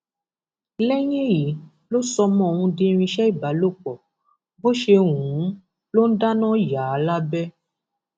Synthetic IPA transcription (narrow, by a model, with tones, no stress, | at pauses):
lɛ˦j̃ẽ˦ji˨˦ | lo˦sɔ˧mɔ̃˨˦˨wũ˧dĩ˧ɾ̃ĩ˧ʃɛ˦i˦˨ba˨˦lo˦˨k͡pɔ˨ | bo˦ʃe˧ŋũ˨˦ | lo˦n̩˦da˦nɔ̃˦ja˨˦˨la˦bɛ˦